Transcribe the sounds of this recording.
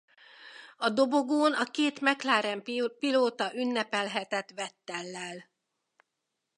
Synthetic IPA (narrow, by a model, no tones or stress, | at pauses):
ɒd̪o̞bo̞ɡoːnɒkeːt̪mɛklaːɾɛmpiloːt̪ɒʔynːɛpɛlɦɛt̪ɛt̪ʋɛt̪ːɛlːɛl